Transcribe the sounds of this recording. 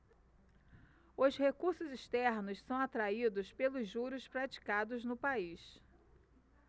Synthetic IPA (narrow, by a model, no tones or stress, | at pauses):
ʊshekuɾsʊziʃt̪ɛɾnʊssɐ̃w̃at̪ɾaid̪ʊspelʊzʒuɾʊspɾat͡ʃi̥kad̪ʊznʊpais